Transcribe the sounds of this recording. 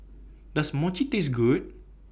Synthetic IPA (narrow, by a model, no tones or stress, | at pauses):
dasmɔt͡ʃitis̬ɡud̚